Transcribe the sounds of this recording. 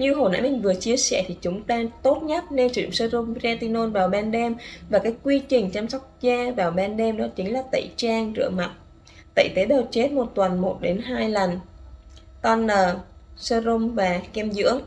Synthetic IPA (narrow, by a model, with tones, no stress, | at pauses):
ɲɨ˧ɦo˨˩na̰ː˧˥mï˨˩ŋ̟vɨ˨˩ət͡ɕi˧əsɛ̰˧˩t̪ʰi˨˩t͡ɕʊ˨˦ŋ͡mt̪aː˧t̪o˦˥t̚ɲə˦˥t̚ne˧nt͡ɕːsəː˧zʊ˧mzaː˧t̪i˧no˧nvaː˨˩wɓaː˧nɗɛ˧mvaː˨˩kaː˨˦jkwi˧t͡ɕï˨˩ŋ̟t͡ɕaː˧msa˦˥wk͡p̚zaː˧vaː˨˩wɓaː˧nɗɛ˧mɗɔ˨˦t͡ɕï˨˦ŋ̟laː˨˩t̪ə̰˧˨jt͡ɕaː˧ŋzɨ̰˧˩əma˨˩t̚ | t̪ə̰˧˨jt̪e˨˦ɗəː˨˩t͡ɕe˦˥t̚mo˨˩t̚t̪wə˨˩nmo˨˩t̚ɗe˨˦nɦaː˧jlə˨˩n | k̪ɔ˧nəː˨˩səː˧zʊ˧ŋ͡mvaː˨˩kɛ˧mzɨ̰˧˥əŋ